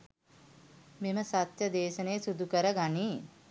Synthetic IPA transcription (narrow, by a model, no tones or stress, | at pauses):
meməsat̪jəd̪eːʃənejːsud̪ukəɾəɡaniː